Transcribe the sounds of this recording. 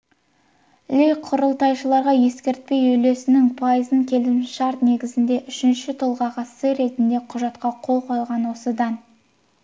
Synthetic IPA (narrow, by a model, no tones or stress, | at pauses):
lʲejqʰʊɾəlˠt̪ɑjʃəlˠɑɾʁɑje̞skʲe̞ɾt̪̚pe̞jɵjle̞sɪnɪŋpʰɑjəzəŋkʲʰe̞luʃɑɾt̪ne̞ɡʲɪzɪnd̪e̞ʔʏʃɪnʃɪt̪ʰolˠʁɑʁɑsəɾe̞t̪ɪnd̪e̞qʰʊʒɑt̪qɑqʰo̞lˠqʰojlˠʁɑnwo̞səd̪ɑn